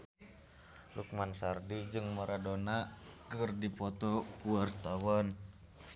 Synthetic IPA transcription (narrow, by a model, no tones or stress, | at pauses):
luk̚mansardid͡ʒɨŋmɔɾadonakərdipɔt̪ɔkuart̪awɔn